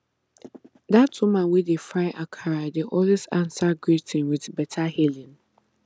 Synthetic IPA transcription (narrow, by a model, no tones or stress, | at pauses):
datumãnwidefɾaɪʔakʰaɾadeʔɔlisãnsaɡɹitʰɪ̃nwɪdbɛtʰahelĩn